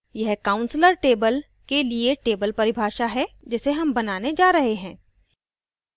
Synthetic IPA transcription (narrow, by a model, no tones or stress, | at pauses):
jɐɦkãːʊ̃nsləɾʈeːbəl | kelieʈeːbəlpɐɾɪbʱaːʃaɦɛd͡ʒɪseɦɐmbɐnaːned͡ʒaːɾɐɦeɦɛ̃ː